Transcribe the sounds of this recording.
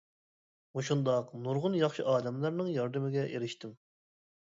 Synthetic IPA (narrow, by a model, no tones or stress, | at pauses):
muʃund̪ɑqnuɾʁʊnjɑχʃɨʔɑːd̪ɛmlˠɨɾnɨŋjɑɾd̪ɪmɪɡʲɛʔeɾɪʃt̪ɪm